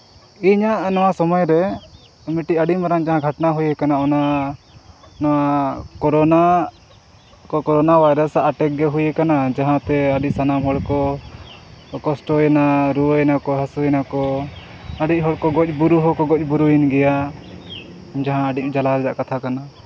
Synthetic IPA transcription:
iɲaʔnɔwasɔmɔjɾɛ | miʈiəɖiʔmaɾaŋd͡ʒaɦãɡʱaʈnaɦujɛkanaɔna | nɔwakɔɾɔna | kɔkɔɾɔnabajɾasaʔaʈɛk̚ɡɛɦujɛkanad͡ʒaɦãt̪ɛəɖiʔ̚sanamɦɔɽkɔ | kɔsʈɔjɛnaɾuwəɛnakɔɦəsuɛnakɔ | əɖic̚ˀɦɔɽkɔɡɔc̚ˀbuɾuɦɔkɔɡɔc̚ˀbuɾuinɡɛja | d͡ʒaɦãəɖic̚d͡ʒalaɾɛd͡ʒa̰ʔkat̪ʰakana

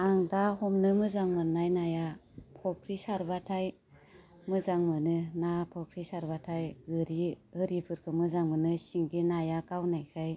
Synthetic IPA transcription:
aŋdahɔmnɯmɯzaŋmɯnajnajapʰɔkʰɾisaɾbatʰaj | mɯzaŋmɯnɯnapʰɔkʰɾisaɾbatʰajɡɯɾihɯɾipʰɯɾkʰɯmɯzaŋmɯnɯsiŋɡinajakawnajkʰɯj

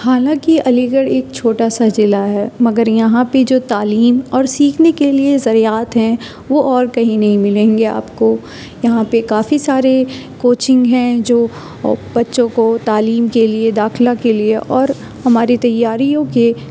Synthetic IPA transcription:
haːlãːkiɐliɡəɽeːk̚t͡ʃʰoːʈasad͡ʒɪlaɦɛːmɐɡəɾjɐɦãped͡ʒoːt̪aːliːmɔːɾsiːkʰnekeliezɐɾijaːt̪ɦɛ̃ | ʋoʔɔːɾkɐɦĩnɐɦĩmɪlẽːŋɡea̰ːpko | jɐɦãpekaːfisaːɾe | koːt͡ʃɪ̃ŋɡɦɛ̃d͡ʒoː | b̥ɐtːʃõkot̪aːliːmkelied̪aːxlakelieʔɔːɾ | hɐmaːɾit̪ɐjːaːɾijõke

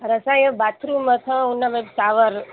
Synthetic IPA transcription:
ɾəsajəbat̪ʰɾumət̪ʰəunːababt̪aʋəɾ

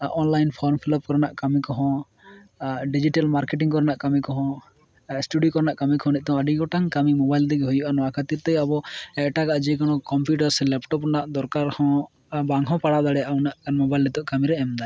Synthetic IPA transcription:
ʔɔnlajnpʰɔɾmpʰiləp̚kɔɾnaʔkamikɔɦɔ̃ | ɖid͡ʒiʈalmaɾkeʈiŋkɔɾnaʔkamikɔɦɔ̃ | sʈuɖikɔɾnaʔkamikɔɦɔ̃nɛc̪̚ˀt̪ɔ̃aɖiɡɔʈaŋkamimɔbajld̪ɛɡɛɦujuʔanɔakʰət̪iɾt̪ɛjabɔɛʔʈakaʔd͡ʒikɔnɔ̃kɔmpjuʈaɾsɛlɛpʈɔpɾnaʔd̪ɔɾkaɾhɔ̃ | baŋɦɔ̃paɽad̪aɽɛjaʔawnaʔkanmɔbajlːɛt̪ɔʔkamiɾɛɛmd̪a

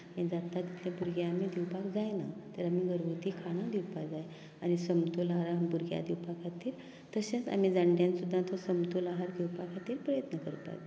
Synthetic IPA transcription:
anid͡zat̪ːat̪it̪ʰlabuɾɡjaam̤id̪iwpakd͡zajnat̪əɾamiɡəɾʋut̪ikʰaɽ̃ãd̪iwpad͡zaj | añisəmt̪olaɦaɾabuɾɡja̰d̪iwpakʰat̪iːɾ | t̪əɕẽt͡sa̰m̤id͡zaɳɖjãnsud̪ʱːat̪ʰosəmt̪olaɦaɾɡ̪iwpakʰat̪iːɾpɾəjət̪nəkəɾpa̰d͡za

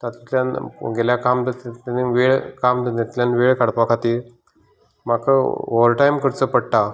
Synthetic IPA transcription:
t̪at̪t̪ljanɡeljakamd̪ət̪t̪aniʋeɭkamd̪əat̪ljanʋeɭkaɽpakʰat̪iːɾ | makəoʋəɾʈajmkəɾt͡səpəɽʈ̪a

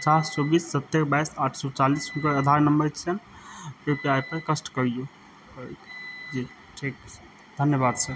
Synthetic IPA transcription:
ppət͡ʃast͡ʃɔbisːət̪ːeɾbajsaːʈʰsɔt͡ʃalisɦʊnkəɾəd̪ʱaɾnəmbəɾt͡ʃʰənpepiajpəɾkəsʈkəɾiju | d͡ʒi | ʈʰiːk̚ | d̪ʱənjəbaːd̪səɾ

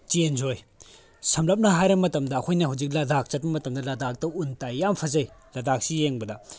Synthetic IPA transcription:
t͡ʃenzoj | sɐmlɐp̚nɐɦajɾɐmɐtɐmdɐːkʰojnɐɦawd͡ʒik̚ladak̚t͡ʃɐt̚bɐmɐtɐmdɐladak̚tɐuntajampʰɐzɐjladak̚sijeŋbɐdɐ

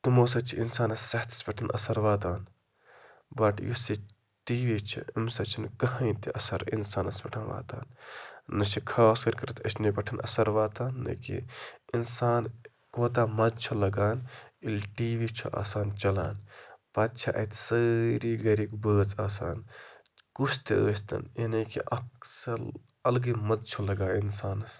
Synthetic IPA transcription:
t̪umoːsɐt͡ʃʰiʔinsaːnɐssɐht̪ʰɐ̥spʲɐʈʰɐnʔɐ̰sɐɾʋaːt̪aːn | bɐʈjusi | ʈiːʋit͡ʃʰḭimsɐt͡ʃʰinkɐɦɐ̃int̪iʔɐsɐɾḭnsaːnɐspʲɐʈʰãnʋa̰ːt̪a̰ːnː | ɐt͡ʃʰikʰaːskɐɾkɐɾɨt̪ʰɐʃnibɐʈʰɐnʔɐ̰sɐɾʋaːt̪aːnːɐ̰kḭinsaːn | koːt̪̬aːmɐzt͡ʃʰolɐɡaːnilʲʈiːʋit͡ʃʰo̰ʔa̰ːsaːnt͡ʃɐla̰ːnpɐt̪̚t͡ʃʰɐʔɐ̰t̪səɾiːɡɐɾikbəːt͡saːsa̰ːn | kusʰt̪iəːsʲt̪ɐ̰ninɐkḭʔɐksɐɾ | ɐlɡimɐzt͡ʃʰolɐɡaːinsaːnɐs

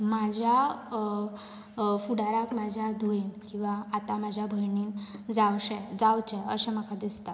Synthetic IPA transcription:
mad͡ʑʱja | fuɽaɾakmad͡ʑʱjad̪ʱuenkĩw̃ʋaːt̪amad͡ʑʱjabʱəɾɳiːnd͡zawɕɛ̃d͡zawt͡ɕɛ̃ə̰ɕɛ̃məkad̪ist̪at̪

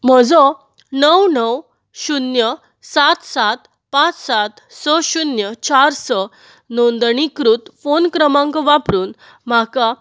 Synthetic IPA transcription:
m̤əd͡zɔ | nəwnəw | ɕunjə | sat̪sat̪ | pãt͡ssat̪ | səɕunjət͡ɕaɾsə | nond̪ɳikɾut̪fonkɾəmãŋkɔʋapɾuːn | m̤aka

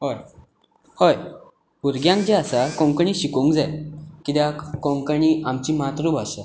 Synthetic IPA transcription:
ɦoj | hoj | uɾɡjãŋk̚d͡ʑeasakɔ̃ŋkəɳiːɕikoũŋkd͡zajkit̪jakɔ̃ŋkəɳiamt͡ɕiːmat̪ɾuːbʱaɕa

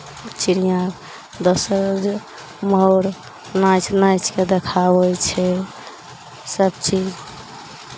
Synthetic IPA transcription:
t͡ʃiɾijã | d̪əsəɾd͡ʒ | məɦɾ | nat͡ʃʰnajt͡ʃked̪ekʰabəjt͡ʃʰɛ | səbt͡ʃid͡ʒ

